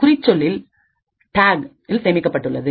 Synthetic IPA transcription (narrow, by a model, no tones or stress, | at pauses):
kʊɾɪt͡ʃːɔɭːɪl | ʈaːɡ | ɪlsɛːmɪkːɐpːɐʈːɯɭːɐðɯ